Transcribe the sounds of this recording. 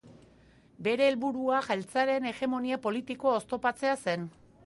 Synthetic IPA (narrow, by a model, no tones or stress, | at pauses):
be̞ɾe̞ːlβuɾuaʝajlt͡saɾe̞ne̞ɣe̞mo̞niapo̞lit̪iko̞ːst̪o̞pat͡se̞ase̞n